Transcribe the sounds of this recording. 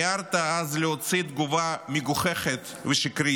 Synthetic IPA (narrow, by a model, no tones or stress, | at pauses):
aɾt̪aazleot͡sid̪ɡuvamiɡuχeχet̪ | veʃikɾi